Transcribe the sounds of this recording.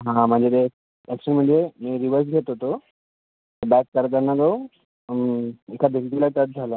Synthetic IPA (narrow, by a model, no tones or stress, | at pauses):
ɦãm̤əɳd͡zet̪e | eksɾim̤əɳd͡zemiɾiʋəɾs̬ɡʱet̪ɦot̪o | bɛkːəɾd̪anːad̪o | ikʰad̪ʱelt̪ilat̪at̪̚d͡zʱalə